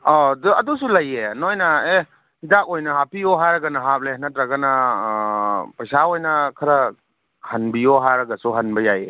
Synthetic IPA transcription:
ɔdɐdusulɐjenojnɐe | idak̚ojnɐɦapiɔɦaɾɐɡɐnɐɦap̚leɦɐnɐtɾaɡanɐ | pɐjsaojnɐkʰɐɾɐ | hɐnbiɔɦaɾɐɡɐsuɦɐnbɐjaje

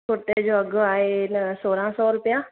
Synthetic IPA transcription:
ʊʈ̪ed͡ʒoːəɡaːensoːɾãːsɔːɾʊpəjãː

